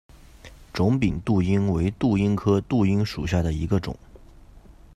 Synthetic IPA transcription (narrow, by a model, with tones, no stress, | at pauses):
ʈ͡ʂʊ˧˥ŋpi˨˩ŋt̪u˥˩i˥ŋwe˧˥ɪt̪u˥˩i˥ŋkʰɤ˥t̪u˥˩i˥ŋʂu˨˩ɕja˥˩d̪ə˩i˧˥ɡə˧ʈ͡ʂʊ̰˨˩˦ŋ